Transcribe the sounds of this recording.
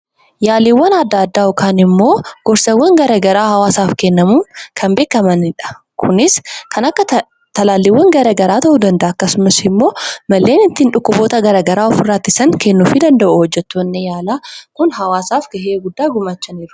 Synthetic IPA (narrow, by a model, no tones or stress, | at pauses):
jaːliwːɐnɐd̪ːɐːd̪ːaːɔkaːnɪmːo̞ːɡ̥ɔɾsɐwːɐŋɡɐɾɐɡɐɾaːhɐwaːsaːfkɛnːɐmuːnkʰɐmbe̞ːkːɐmɐnɪᶑɐ̥ | kʰʊnɪskʰɐnɐkːɐ | t̪ɐlaːlːɪwːɐŋɡɐɾɐɡɐɾaːt̪ɐʔud̪ɐnd̪ɐʔɐːkːɐsʊmɐsɪmːo̞ːmɐlːeːnɪnt̪ːɪnᶑʊkːʊbo̞ːt̪ɐɡɐɾɐɡɐɾaːɔfɪrːaːt̪ːɪsɐŋkɛnːuːfɪd̪ɐnd̪ɐʔuhɔd͡ʒːɛt̪ːonːejaːlaːkʊnɦɐwaːsaːfɡɐɦeːɡʊd̪ːaːɡʊmaːt͡ʃːɐniːɾʊ̥